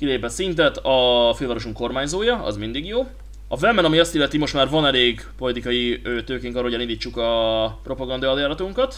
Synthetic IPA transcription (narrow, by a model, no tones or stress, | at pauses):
kileːpɛt̪sint̪̬ɛt̪ɒfelvɒɾo̞ʃuŋkːo̞rmaːɲzoːjɒɒ̰zmind̪iɡjoː | ɒvɛmɛnɒmiɒst̪ilːɛt̪imo̞ʃt̪maːrvɒnɛleːɡ | po̞lit̪ikɒjiøːt̪øːkeiŋkɒrɾɔoɟɛlind̪iːt͡ʃːukɒpɾʔo̞pɒɡɒnd̪ɒɒljaːɾɒt̪uŋkɒt̪